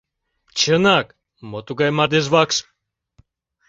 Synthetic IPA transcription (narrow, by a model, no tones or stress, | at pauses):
t͡ʃənak | mot̪uɡajmad̪es̬vaks